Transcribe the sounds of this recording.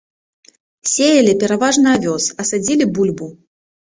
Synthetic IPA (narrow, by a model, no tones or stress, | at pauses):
sʲejɐlʲipʲɛɾavaʐnɨavʲɔsɐsad͡zʲilʲibulʲbu